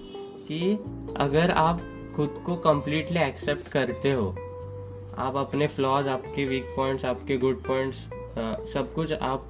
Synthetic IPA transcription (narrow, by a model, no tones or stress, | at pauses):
kiɐ̰ɡəɾaːp | xʊd̪kokɐ̃mpliːʈliɛːksep̚ʈkɐɾt̪eɦoː | a̰ːpɐpneflɔːzaːpkeʋiːk̚pɔ̃ːɪ̃ɳʈsaːpkeɡʊɖ̚pɔ̃ːɪ̃ɳʈs | sɐb̚kʊt͡ʃʰa̰ːp̚